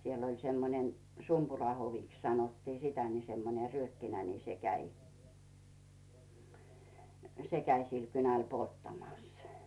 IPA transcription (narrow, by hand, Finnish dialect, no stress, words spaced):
siel olʲ semːonen sumpurɑhoʋiks sɑnotːiː sitæ ni semːone ryøkːinæ ni se kæi se kæi sil kynæl poltːɑmɑˑs